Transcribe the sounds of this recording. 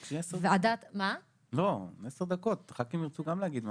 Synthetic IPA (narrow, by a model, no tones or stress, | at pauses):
kʃiesevead̪at̪ma | lo̞esed̪ako̞t̪ʁakimiʁt͡suɡamleaɡid̪m